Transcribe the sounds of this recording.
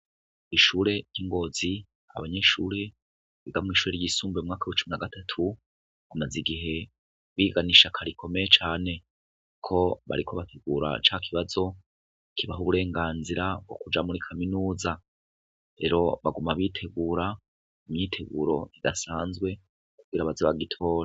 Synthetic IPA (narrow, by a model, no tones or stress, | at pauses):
iʃuːɾe̞jiŋɡo̞ːzi | a̰βaɲe̞ʃuːɾe̞ | βiɡamŋiːʃuːɾeɾjisuːmbeumŋaːkauwet͡ʃuminaɡatʰatʰu | amaziɡiɦe̞ | βiːɡaniʃakʰaɾikʰo̞me̞jet͡ʃaːne̞ | kʰo̞βa̰ɾikʰo̞βatʰe̞ɡuːɾa̰t͡ʃakʰiβazo̞ | kiβaɦuβuɾe̞ːŋɡaːnziɾabɡo̞̰kud͡ʒamuɾikʰaminuːza | ɾe̞ɾo̞βaɡumaβitʰe̞ɡuːɾa | imɲiːtʰe̞ɡṵɾo̞iɡa̰saːnzɡwe̞ | kuɡiɾaβazoβaɡitʰo̞ːɾa